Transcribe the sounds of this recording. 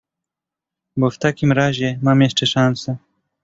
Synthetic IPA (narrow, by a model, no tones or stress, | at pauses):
bɔft̪akʲimɾaʑɛmamjɛʂt͡ʂɛʂansɛ